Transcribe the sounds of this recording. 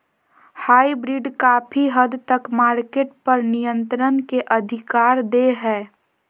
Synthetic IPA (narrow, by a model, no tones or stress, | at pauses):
haːibɾiɖkaːpʰiɦəd̪t̪əkmaːɾkeːʈ̚pəɾnijə̃nt̪ɾənkeʔəd̪ʱɪkaːɾd̪eɦɛː